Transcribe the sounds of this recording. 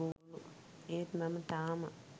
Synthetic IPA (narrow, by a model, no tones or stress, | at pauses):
ulu | eːt̪mɐmɐt̪aːmɐ